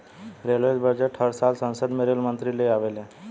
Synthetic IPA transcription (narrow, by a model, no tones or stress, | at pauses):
ɾelʋesbəɾd͡ʑeʈʰəɾsalsə̃nsəd̪meɾelmənt̪ɾileaʋelẽ